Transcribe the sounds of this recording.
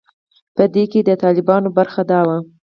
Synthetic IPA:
pəd̪eked̪ət̪ɑlɪbɑnobaɾxad̪ɑwa

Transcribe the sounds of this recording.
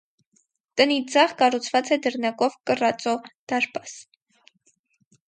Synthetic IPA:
t̪ənid͡zɑʁkɑrut͡sʰvɑt͡sɛd̪əɾnɑkɔvkərɑt͡sɔd̪̥ɑɾpɑs

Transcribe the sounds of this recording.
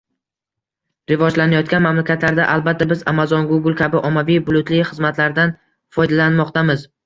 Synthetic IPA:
ɾɪvɒd͡ʒlanajɒt̪̚kʲanmamlakʲʰat̪laɾd̪aʔalˠbat̪ʰːabɪzamazɒnɡʊɡʊlˠkʲʰabɪʔɒmːavijbʊlˠʊt̪lɪχɨzmat̪ʰlaɾd̪an | fɒjd̪alanmɒqt̪ʰamɪz

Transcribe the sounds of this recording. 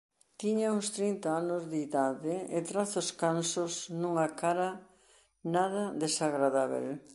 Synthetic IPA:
t̪iɲauŋst̪ɾint̪aanʊzðiðaðɪɪt̪ɾaθoskansʊsnuŋakaɾɐ | naðɐðesaɣɾaðaβḛl

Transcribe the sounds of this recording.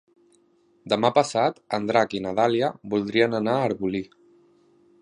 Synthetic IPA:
d̪əmapəsat̪ənd̪ɾakinaðaliəbulˠd̪ɾiənənaːɾβuli

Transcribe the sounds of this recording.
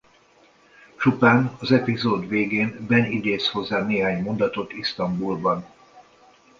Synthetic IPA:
t͡ʃupaːnɒzɛpizoːd̪ʋeːɡeːnbɛnid̪eːsho̞zːaːneːɦaːɲmo̞nd̪ɒt̪o̞t̪ist̪ɒmbulbɒn

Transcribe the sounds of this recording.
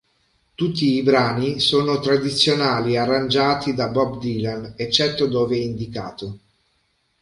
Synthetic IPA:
t̪ut̪ːiːbɾaːnisoːnot̪ɾad̪it̪sːjonaːliarːand͡ʒaːt̪id̪abɔbd̪ilanet͡ʃːɛt̪ːod̪oːveɛind̪ikaːt̪o

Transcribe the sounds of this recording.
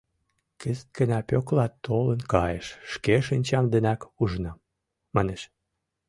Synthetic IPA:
kəzt̪̚kə̆næpʲoklɑt̪ːolənkɑjeʃːkeʃənʲt͡ɕɑmd̪enækuʒnɑ | mɑneʃ

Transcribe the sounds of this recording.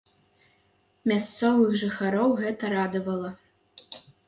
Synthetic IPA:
mʲast̪sɔvɨxʐɨxaɾɔwɣɛt̪ɐɾad̪ɐvɐlˠɐ

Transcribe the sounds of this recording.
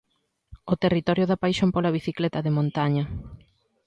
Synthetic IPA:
ot̪erit̪ɔɾjʊðapajʃompolaβiθiklɛt̪ɐðemõnt̪aɲɐ

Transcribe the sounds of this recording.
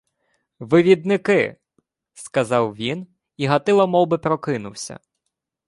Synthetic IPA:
ʋɪʋʲid̪nɪkɪ̰ | skɐzɑwʋʲin | iɦɐt̪ɪlˠɐmɔwbɪpɾɔkɪnʊwsʲɐ̰

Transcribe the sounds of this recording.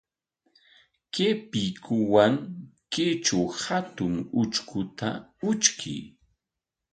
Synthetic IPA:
kepɪkʊwaŋket͡ʃawhat̪ʊŋʊt͡ʃkʊt̪a̰ʊt͡ʃkʰɪ̰j

